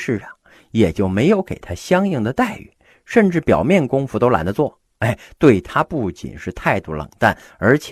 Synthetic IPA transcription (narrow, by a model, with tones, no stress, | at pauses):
ʂɻ̩˥˧ʂɑ˨˩ŋ | jɛ˨˩t͡ɕjo˥˩ʊme˧˥ɪjo˧˥ʊkḛ˨˩ɪt̪ʰa˥ɕjɑ˥ŋi˥˩ŋd̪ə˩t̪a˥˩ɪy̰˨˩˦ | ʂə˥˧nʈ͡ʂɻ̩˥˩pjɑ˨˩ʊmjɛ˥˩nkʊ˥ŋfu˧˥t̪o˥ʊla̰˧˥nd̪ə˧t͡swɔ˥˩ | e˥˩ɪt̪we˥˩ɪt̪ʰa˥pu˥˩t͡ɕḭ˨˩nʂɻ̩˥˧t̪ʰa˥˧ɪt̪u˥˩lə̰˨˩ŋt̪a˥˩n | ə˞˧˥t͡ɕʰ